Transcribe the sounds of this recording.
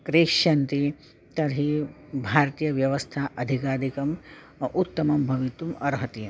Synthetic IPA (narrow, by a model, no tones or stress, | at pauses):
kɾeːkʂɐnt̪i | t̪ɐɾɦibʱaːɾt̪ijɐʋjɐʋɐst̪ʰaʔɐd̪ʱikaːd̪ʱikɐm | ut̪ːɐmɐmbʱɐʋit̪umɐɾɦɐt̪i